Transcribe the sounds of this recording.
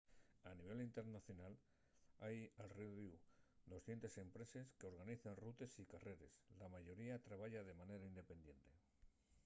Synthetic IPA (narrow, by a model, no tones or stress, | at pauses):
aniβ̞e̞lint̪eɾnaθjo̞nal | ajalriβud̪o̞sθje̞nt̪e̞se̞mpɾe̞se̞ske̞o̞ɾɣaniθenrut̪e̞sikare̞ɾe̞slamaʝo̞ɾiat̪ɾaβaʝað̞e̞mane̞ɾaind̪e̞pe̞nd̪je̞nt̪e̞